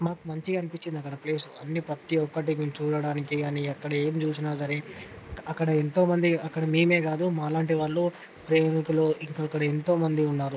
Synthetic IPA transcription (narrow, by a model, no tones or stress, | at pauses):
maːkumɐɲt͡ʃiɐnipit͡ʃːind̪ɐkːɐɽɐple̞ːsuɐnːipɾɐt̪iɔkːɐʈ̬iɡut͡ʃuːɽɐɽaːnikiɐniɐkːɐɽɐe̞ːmt͡ʃuːsinaːsɐɾeː | ɐkːɐɽɐent̪o̞ːmɐnd̪iɐkːɐɽɐmeːme̞ːɡaːd̪umaːlaːɳʈiʋaːɾːoː | pɾeːmikuloːʔiŋkaːkːɐɽɐent̪o̞ːmɐnd̪iunːaːɾu